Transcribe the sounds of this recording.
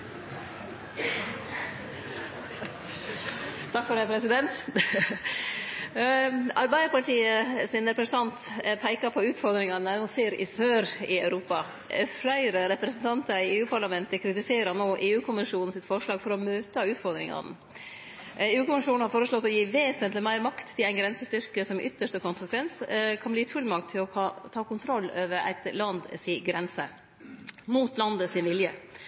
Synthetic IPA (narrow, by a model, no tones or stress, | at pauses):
t̪ʰɑkfɔɖ̪æɪpʰɾɛsɪd̪ɛnt̪ | ɑɾbæɪəpɑlʈiːəsɪnɛɾpɾəst̪ʰɑnt̪pʰæɪkɑpʰɔʉːt̪fɔɾd̪ɾɪŋɑnæseːɾɪ̰søːɾɪœʉɾuːpɑ | fɾæɪɾəɾɛpɾɛsnt̪ʰɑnt̪əɪeːʉːpʰɑɾɭɑmɛnt̪əkʰɾɪt̪ɪseːɾəɾnoːʔeːʉːkʰʊmɪʂuːnn̩sɪt̪fɔɾʂlɑːɡfɔɾɔmøːt̪əʉːt̪fɔɾd̪ɾɪŋɑ̰nə̰ | eːʉːkʊmɪʂuːnn̩hɑɾfoːɾəsɭɔt̪ːɔjiːʋeːsənt̪lɪmæɪɾmɑkt̪ʰːɪlæɪnɡɾɛnsəst̪ʏɾkəsɔmʔʏt̪ːəʂt̪əkʊnsəkʰʋɛnskʰɑnbliːt̪fʉlːmɑkt̪ʰːɪlɔɑt̪ʰɑːkʊnt̪ʰɾɔlːøːʋəɾæ̰ɪt̪lɑnd̪sɪɡɾɛnsə | muːt̪lɑnd̪əsɪnʋɪljə